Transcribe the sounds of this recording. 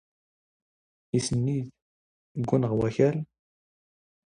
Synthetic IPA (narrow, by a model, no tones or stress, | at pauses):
isənːið | ɡʷːunəʁwæçæl